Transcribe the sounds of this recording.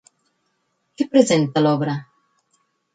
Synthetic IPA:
kepɾezent̪alɔβɾa

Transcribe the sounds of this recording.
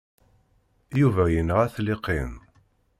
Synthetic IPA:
juvæjənəʁæθlɪqʰːin

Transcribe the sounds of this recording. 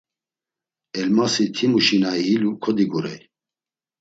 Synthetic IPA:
ɛlmasit̪ʰimuʃinaiilukʰɔd̪iɡuɾɛ̰j

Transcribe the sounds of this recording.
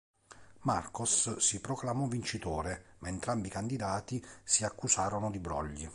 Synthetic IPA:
markosːipɾɔklamɔvint͡ʃit̪oːɾemaent̪ɾambiːkand̪id̪aːt̪isiakːusaːɾonʊd̪ibɾɔ̰ʎːḭ

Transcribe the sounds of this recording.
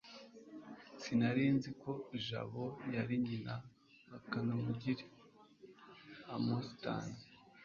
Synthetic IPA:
sinaɾeːnziko̞iʒa̰βojaɾiɲina | akanamuɟiɾi | amosita̰ːne

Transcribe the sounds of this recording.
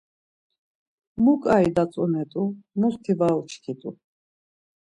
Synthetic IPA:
mukʼaid̪at͡s̪ʼɔnɛt̪ʼumust̪ʰivalt͡ʃʰkʰit̪ʼṵ

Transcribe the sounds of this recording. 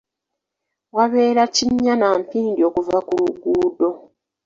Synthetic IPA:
waβe̞ːɾaciɲːanampiːndio̞ːkuvakuluɡuːdo̞

